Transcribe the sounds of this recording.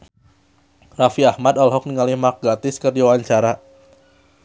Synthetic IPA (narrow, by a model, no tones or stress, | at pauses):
rafiahmad̪ɔlɦɔk̚niŋalihmak̚ɡat̪ɪskərdiwawaɲt͡ʃaɾa